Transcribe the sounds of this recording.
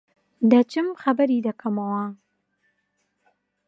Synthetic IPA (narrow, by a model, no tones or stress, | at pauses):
d̪ɐt͡ʃʰɨmxɐbɐɾiːd̪ɐkʰɐmɐwɐ